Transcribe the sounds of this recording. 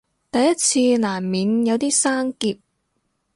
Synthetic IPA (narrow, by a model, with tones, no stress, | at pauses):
t̪ɐ˨jːɐ˥t̚t͡sʰiː˧laː˨˩mmiː˨˥njɐ˨˧wt̪iː˥saː˥ŋkiː˧p̚